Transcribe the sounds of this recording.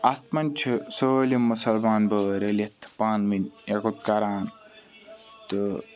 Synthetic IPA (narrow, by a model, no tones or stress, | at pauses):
ɐt̪mɐnʲt͡ʃʰɨsolimːusɐlmaːnbəːɾelet̪ʰpaːnminekut̪̚kɐɾaːn | t̪ɨ